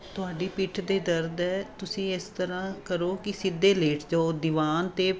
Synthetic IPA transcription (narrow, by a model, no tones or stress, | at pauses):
t̪ʊaːɖiːpɪʈʰd̪eːd̪əɾd̪ɛːt̪ʊsĩːɪst̪əɾãːkəɾoːkɪsɪd̪ːeːleːʈʰd͡ʒaod̪ɪʋaːnt̪eː